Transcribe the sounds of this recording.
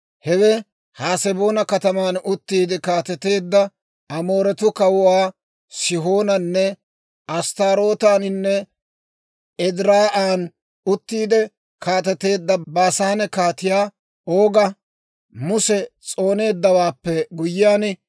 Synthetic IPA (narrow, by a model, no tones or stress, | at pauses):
hɛwɛ | haːsɛbo̞ːnɐkɐt̪ɐmaːnʊt̪ːiːd̪ɪkaːt̪ɛt̪e̞ːd̪ːɐ | ɐmo̞ːɾɛt̪ʊkɐwʊwaː | sɪɦo̞ːnɐnːɛ | ɐst̪aːɾo̞ːt̪aːnɪnːɛ | ɛd̪ɾaːʔaːn | ʊt̪ːiːd̪ɛ | kʰaːt̪ɛt̪e̞ːd̪ːɐbaːsaːnɛkaːt̪ɪjaː | o̞ːɡɐ | mʊsɛt͡sʼo̞ːne̞ːd̪ːɐwaːpːɛɡʊjɪjaːn